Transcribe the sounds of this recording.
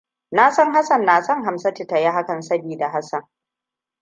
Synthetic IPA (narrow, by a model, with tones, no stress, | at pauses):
naː˦sɔ˦ŋɦa˦sɐ˨nːaː˨sɔ˦˨ŋɦa˨msɐ˦tɪ˨ta˨ja˦ɦa˦kɐ˨nsɐ˦biː˨da˨ɦa˦sɐ˨ŋ